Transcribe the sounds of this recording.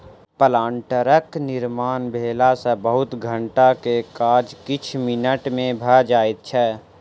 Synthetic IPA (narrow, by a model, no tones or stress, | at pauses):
pəlãːɳʈəɾəknɪɾmaːnbʱeːlasəbəɦʊt̪ɡʱə̃ɳʈakekaːd͡ʒkɪt͡ʃʰmɪnəʈmẽbʱəd͡ʒaːit̪̚t͡ʃʰɛː